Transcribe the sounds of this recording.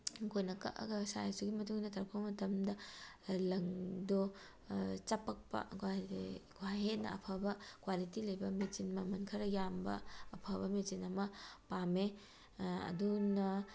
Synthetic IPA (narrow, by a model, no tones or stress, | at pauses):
kʰojnɐkɐ̰ʔɐ̰ɡɐsa̰jsuɡimɐtuŋdɐtʰɐɾkʰomɐtɐmdɐ | lɐŋdo | t͡ʃɐpɐk̚pɐ̰ɡɡwaɦet̚nɐ̰ɐ̰pʰɐbɐkwalitilɐjbɐmit͡ʃinmɐmɐnkʰɐɾɐjambɐ̰ːpʰɐbɐmet͡ʃinɐmɐpame | ɐ̰dunɐ